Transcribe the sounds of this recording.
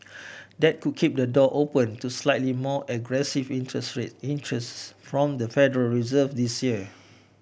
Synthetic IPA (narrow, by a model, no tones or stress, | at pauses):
dɛt̚kud̚kʰip̚dədɔʔopə̃ntuslaɪtlimɔʔɛɡɹɛsivĩnɛsɹeĩntɹɛsfɹɔ̃mdəfɛdəɹəlɹizəvdisjiə